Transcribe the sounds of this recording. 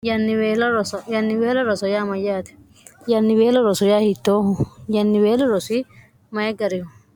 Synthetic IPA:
jɐnːɪweːlɐɾɔsɔjɐnːɪweːlɐɾɔsɔjaːmɐjaːt̪ɛ̥ | jɐnːɪweːlɔɾɔsɔjaːhɪt̪ːoːʊjɐnːɪweːlɔɾɔsi | mɐjɛɡɐɾɪhʊ

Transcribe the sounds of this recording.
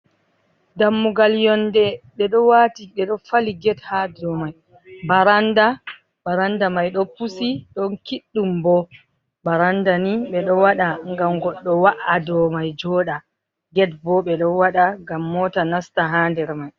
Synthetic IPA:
damːuɡaljɔndɛɓɛɗɔwatiɓɛɗɔfaliɡɛthadɔmaj | baɾanda | baɾandamajɗɔpusiɗɔnkiɗːumbɔ | baɾandaniɓɛɗɔwaɗaŋɡamɡɔɗːɔwaʔadɔmajd͡ʒɔːɗa | ɡɛt̚bɔɓɛɗɔwaɗaɡamːɔːtanastaɦaːndɛɾmaj

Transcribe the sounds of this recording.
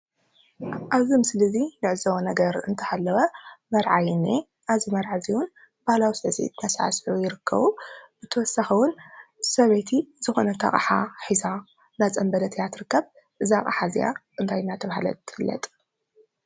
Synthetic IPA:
ʔaβzimɨslɨzinɨʕɨzɐwɐnɐɡɐɾɨ̰nt̪ʰɐ̥halːɐwɐmɐɾʕa̰jnːe | ʔazimɐɾʕaziwun | b̥ahlawisɨʕsḭt̪nasa̰ʕa̰sħujɪɾɨkʰːɐ̰βub̥ɨt̪ʰɐwɔsaxɐwʊnsɐβet̪ʰizɨxo̞̰nɐt̪ʰɐ̰χʼaħa̰ħiza | nat͡sʼɐmbɐd̪ɐt̪ʰjat̪ʰɨɾɨkːɐβ | ʔɨzaχʼa̰ħazija̰ʔɨnt̪ʰajnat̪ʰɐβaɦalɐ̰t̪ːɨ̥fɨlːɐ̰t̪ʼ

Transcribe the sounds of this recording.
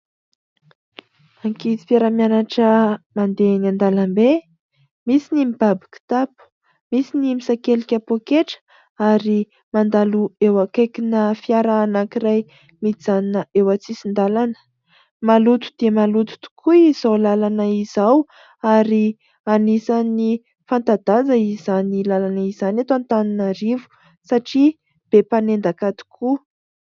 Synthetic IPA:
aŋkit̪i̥fjaɾamjanaʈ͡ʂəmand̪enand̪alambe | misinimib̥abi̥ki̥t̪apu̥ | misinimisakelikʲapokeʈ͡ʂə̥ | aɾi | mand̪aluewakekinəfiaɾaːnakiraj | mid͡zaninəʔewat͡sisind̪alanə̥ | malut̪u̥d̪̥emalut̪u̥t̪u̥kʰuiz̥awlalanəizaw | aɾi | anisani | fant̪ad̪azəizanilalanəizanat̪ant̪aninaɾivu̥ | saʈ͡ʂi | b̥epanend̪akat̪i̥kʰu

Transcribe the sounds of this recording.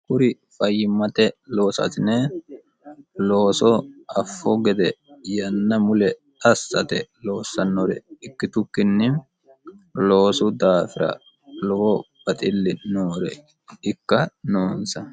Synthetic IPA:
kʊɾɪ | fɐjːɪmːɐt̪ɛlo̞ːsɐ̰t̪ɪne | lo̞ːsɔɐfːɔɡɛd̪ɛjɐnːɐmʊlɛt̪ɐsːɐ̰t̪ɛlo̞ːsːɐnːɔɾɛ̰ɪkːɪt̪ʊkːɪnːɪm | lo̞ːsʊd̪aːfɪɾɐ̰ | lɔbɔb̥ɐt̪ʼɪlːɪnoːɾɛ̰ | ɪkːɐnoːnsɐ

